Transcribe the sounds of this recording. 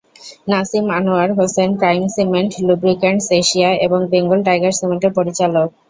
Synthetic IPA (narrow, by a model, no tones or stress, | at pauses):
nasimanoaɾɦosenpɾajmsimeɳʈlubɾikaɳseʃiaeboŋbeŋɡolʈajɡaɾsimeɳʈeɾpoɾit͡ɕalok̚